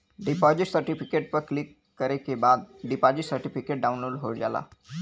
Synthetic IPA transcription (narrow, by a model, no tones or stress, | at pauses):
ɖipɔd͡ʑiʈsəɾʈifikeʈ̚pəɾklikːəɾekebad̪̚ɖipad͡ʑiʈsəɾʈifikeʈ̚ɖaunlolɦoɽd͡zala̰